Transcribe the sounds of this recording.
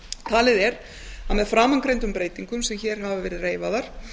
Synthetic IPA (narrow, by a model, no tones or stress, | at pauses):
t̪ʰaːlɪðɛɾ | aðmɛðfɾaːmankɾejnt̪ʏmpɾeːjt̪iŋkʏmsɛmçɛːɾ̥ɦavavɛːɾɪðreːjvaðaɾ̥